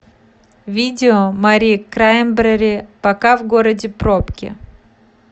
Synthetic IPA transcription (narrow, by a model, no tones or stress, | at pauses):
vʲidʲɪomɐɾʲikɾaɪmbɾəɾʲɪpɐkavɡoɾədʲɪpɾopkʲɪ̰